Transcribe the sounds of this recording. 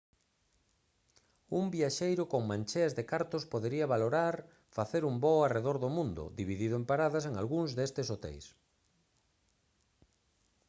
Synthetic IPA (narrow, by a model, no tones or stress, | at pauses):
umbiaʃejɾʊkoŋmãnʲt͡ʃeazðekaɾt̪ospoðeɾiaβaloɾaɾ | faθeɾumboareðoɾðomũnd̪ʊ̰d̪iβiðiðoempaɾaðaseŋa̰lɣuŋzðest̪esot̪ḛjs